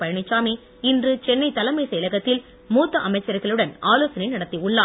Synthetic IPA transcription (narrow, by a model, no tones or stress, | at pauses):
pɐɻɐɳɪt͡ʃːaːmeː | ɪndrɯt͡ʃɛnːɐɪt̪ɐlɐmɐɪsɛlɐɣɐt̪ːɪl | muːt̪ːɐʔɐmɐɪt͡ʃːɐɾɣɐɭɯɽɐnaːloːsɐnɐɪnɐɽɐt̪ːiʊɭːaː